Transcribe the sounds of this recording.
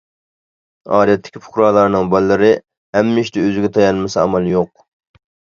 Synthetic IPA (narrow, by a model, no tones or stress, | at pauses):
ɑːd̪ɛt̪ʰːɪ̥kʲipʰʊ̥χɾɑːlˠɑɾnɨŋbɑlˠːɨɾɨ | hɛmːɪʃt̪ɛøzɪɡʲɛt̪ʰɑjɑnmɨsɛɑmɑlˠjoq̚